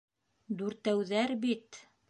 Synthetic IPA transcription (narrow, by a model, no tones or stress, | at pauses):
d̪ʉɾt̪æwðæɾbit̪